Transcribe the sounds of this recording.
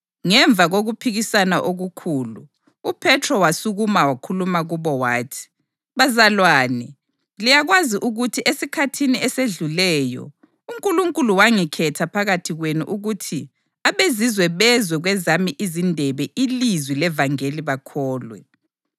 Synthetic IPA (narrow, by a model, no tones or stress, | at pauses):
ŋɛɱb̪vʱaɣoɣupʰiɣisanaʔoɣukʰuːlṵː | pʰɛtʰrɔwasuɣumawakʰulumaɣuβɔwaːtʰi̥ | βazalwaːnɛ | lijaɣwaziʔuɣutʰiʔesikʰatʰiniɛseɮulɛːjɔ̰ | uŋkʼuluŋkʼuluwaŋikʰɛtʰapʰaɣatʰiɣwenṵʔuɣutʰi | aβezizwɛβɛzwɛɣwɛzamiʔizindʱɛβɛʔilizwilɛvaŋeliβakʰɔːlwɛ̰